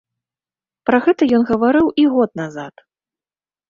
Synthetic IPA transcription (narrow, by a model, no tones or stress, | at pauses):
pɾɐɣɛt̪ɐjɔnɣɐvaɾɨwiɣɔt̪̚nazat̪